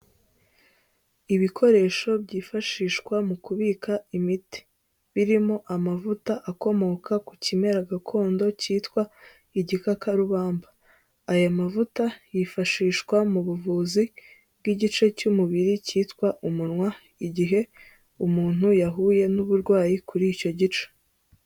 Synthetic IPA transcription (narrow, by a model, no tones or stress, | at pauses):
iβikʰo̞ɾe̞ːʃo̞bɟiːfaʃiːʃkwamukuβikʰaimite̥ | βiɾimo̞ʔamavutaʔako̞mo̞kʰakucime̞ɾaɡakʰo̞ːndo̞ciːtkwa | iɟikakaɾuβaːmbaː | jamavutajifaʃiːʃkwamuβuvuːzi | b̚ɡiɟit͡ʃe̞cumuβiɾiciːtkwaʔumunŋwa | iɟiɦe̞ | umuːn̥hujaɦuje̞nuβuɾɡwaːjikuɾico̞ɟit͡ʃe̥